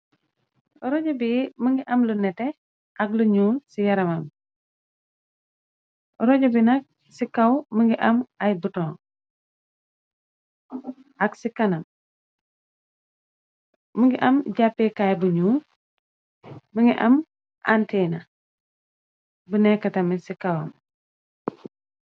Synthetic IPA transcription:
ɾɔɟɐbiməŋɡiʔɐmlunɛtɛ | ʔɐkluɲuːsijɐɾɐmɐm | ɾɔɟɐbinɐk̚ | sikɐwməŋɡiʔɐmɐjbutɔːŋ | ɐksikɐnɐm | məŋɡiʔɐmɟapːekajbuɲuː | məŋɡiʔɐm | ʔa̰ntɛːnɐ | bunɛkːɐtɐmisikɐwɐ̰m

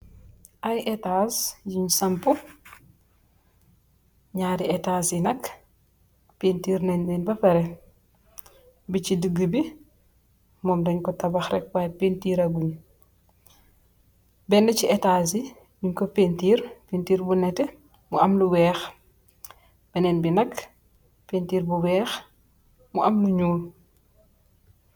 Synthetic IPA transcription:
ʔajʔɛtasɟiɲsɐmpu | ɲaːɾiɛtaːsinɐk | pentiːɾnɛnnɛnbɐfɛɾɛ | bit͡ʃidəɡːəbi | mɔːmdɐɲkɔtɐbɐxrɛk̚bapentiːɾɐɡuɲ | bɛndɐciɛtaːs̬i | ɲuɲkɔpentiːɾpentiːɾbunɛtɛ | muɐmluwɛːx | b̥ɐnɛnbinɐk | pentiːɾbuwɛːx | muʔɐmnuɲuːl

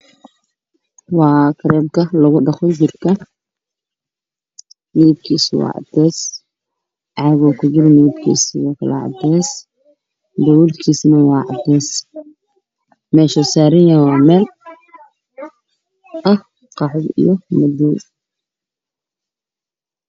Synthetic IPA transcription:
wɑːkʰɐɾɛːmkʰɐlɐɣʊɖɑχɔt͡ʃɪrkʰɐ | niɪb̚kʰiːswɑ̰ːʕɑ̰d̪ɛːs | ʔɑɣɔːkʰʊd͡ʒɪɾnɪɪbkʰḭːsɪjɔːkʰɐlɐ̰ʕɑ̰d̪ɛːs | d̪ɐwulkʰiːsnɐwɑːʕɑ̰d̪ɛːs | mɛːʃɐsaːɾɐjjɐɔmɛːl | ʔɐh | qɑħʊdḭjɞmɐd̪ɛj

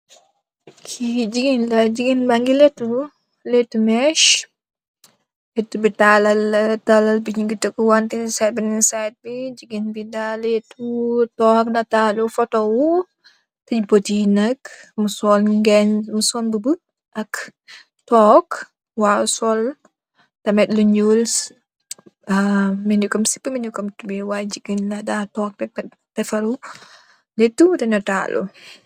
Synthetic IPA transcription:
kʰid͡ʒiɡinlad͡ʒiɡinbaŋɡilɛtːub | letːumɛʃ | lɛtːubitalɐltalɐlbiɲiɡitəkuwantinsajt̚bininsajt̚bid͡ʒiɡinbidaletːutɔːknɐtaːlufɔtɔwu | tɐd͡ʒbotinɐkmusɔlŋɡɛnmusɔnbəbə | ʔɐk | tɔːk | wasɔl | tɐmɛtluɲuls | minukɐmsi̥pːəminukɐmtubiwad͡ʒiɡinlɐdatɔːk̚tɐmɛ | tɛfɐɾu | letːudɛnɐta̰ːlʔṵ

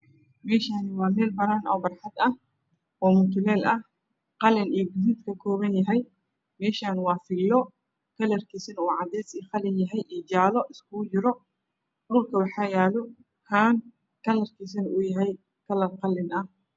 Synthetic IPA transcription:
mɛːʃaːnɪwɑːmɛːlbɐɾaːnɔːbɐrħɑd̪ɐh | ʔɔːmʊt̪ʰʊlɛːlɐh | qɑlɪnijɡʊziːt̪kʰɐkʰɔːβɐnjɐɦɛj | mɛːʃaːnwɑːfɪlːɔ | kʰɐlɐrkʰisɐnuːʕɑd̪ɛjsiːχɑlɪnjɐɦɛjʔiːt͡ʃaːlɔʔɪskʰʊʊt͡ʃɪɾɔ | ɗʊlkʰɐwɑħɑːjaːlɔ | hʰaːn | kʰɐlɐrkʰiːs̬ɐnuːjɐɦɛj | kʰɐlɐrqɑlːɪnɐh

